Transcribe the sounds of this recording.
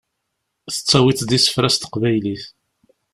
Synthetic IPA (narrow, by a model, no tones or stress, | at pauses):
θə̥t͡sːɑwit͡sd̪isə̥fɾæst̪ə̥qvæjliθ